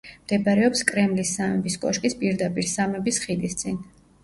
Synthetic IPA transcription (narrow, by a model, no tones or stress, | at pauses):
md̪̥ɛpʼaɾɛɔpskʼɾɛmlisːamɛbiskʼɔʃkʼispʼiɾd̪apʼiɾsamɛbisχid̪ist̪sʼin